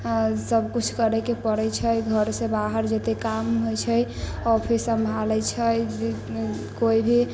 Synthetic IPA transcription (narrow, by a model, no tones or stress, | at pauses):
səb̚kut͡ʃʰkəɾɛkepəɾɛt͡ʃʰəjɡʱəɾsẽbaɦəɾd͡ʒet̪ekamɦojt͡ʃʰəjɔpʰisəmbʱalɛt͡ʃʰə | koibʱi